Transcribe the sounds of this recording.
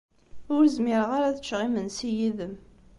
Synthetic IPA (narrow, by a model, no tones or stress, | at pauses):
ʊɾzmɪɾəʁaɾaθə̥t͡ʃːʁimənsijiðəm